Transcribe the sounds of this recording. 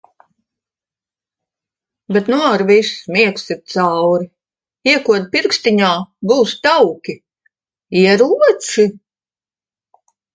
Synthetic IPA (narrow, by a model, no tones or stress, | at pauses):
bet̪nuɾvismiɛksiɾt̪sawɾi | iɛkuɔd̪̚piɾkst̪iɲaːbuːst̪awkʲi | iɛɾuɔt̪si